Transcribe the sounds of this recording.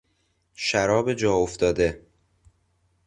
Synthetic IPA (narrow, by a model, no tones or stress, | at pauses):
ʃæɾɒːbe̞d͡ʒɒːoft̪ɒːd̪e̞